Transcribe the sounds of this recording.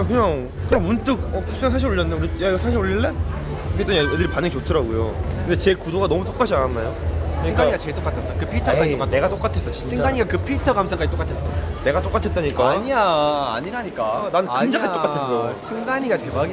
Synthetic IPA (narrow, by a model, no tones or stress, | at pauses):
akɯɲaŋ | kɯɾʌŋmunt͈ɯk̚ʌpʰus͈ʰeŋsʰaɕ̬iɾoʎːʌnːekɯɾjaiɡʌsʰaɕʰiɾoʎːiɭːe | pʰit͈ʰʌɲajedɯɾipanɯŋt͡ɕotʰɯɾaɡujo̰kɯndet͡ɕe̞kudoɡanʌmut͈ok͈ad͡ʑiananːajosɯiɯŋɡaɲiɡat͡ɕeɭt͈ok͈atʰes͈ʌjkɯpʰiɭtʰʌkaɲtok͈ane̞ɡat͈ok͈atʰe̞s͈ʌt͡ɕint͡ɕsʰɯŋaɡaɲiɡakɯpʰiɭtʰʌɡamsʰaŋk͈aɲit͈ok͈atʰes͈ʌone̞ɡat͈ok͈atʰe̞t͈̚aɲik͈aaɲia̰ːɲiɾaɲik͈ananɯnd͡ʑapet͈oatʰes͈ʌjosʰɯŋɡaɲiɡatemaɡ